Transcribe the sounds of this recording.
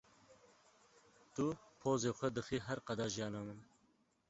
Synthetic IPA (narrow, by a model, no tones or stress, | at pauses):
t̪upʰoːzexʷed̪əxiɦaɾqɑd̪ɑʒjɑːnaməm